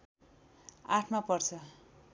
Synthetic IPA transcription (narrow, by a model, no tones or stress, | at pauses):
aʈʰmapʌrt͡sʰʌ